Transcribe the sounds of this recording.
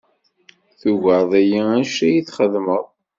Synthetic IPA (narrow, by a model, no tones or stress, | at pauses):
θuʝəɾˤðˤæjiænʃæjiθχəðməðˤ